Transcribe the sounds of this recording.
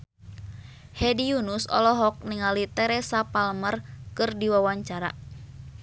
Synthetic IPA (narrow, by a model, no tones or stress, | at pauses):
hɛdiunusɔ̰lɔɦɔk̚niŋalit̪ɛɾɛsapalmərkɨrdiwawaɲt͡ʃaɾa̰